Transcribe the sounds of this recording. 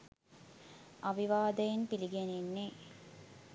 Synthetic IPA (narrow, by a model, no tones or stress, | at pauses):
aʋiʋaːd̪əjinpiliɡenenːe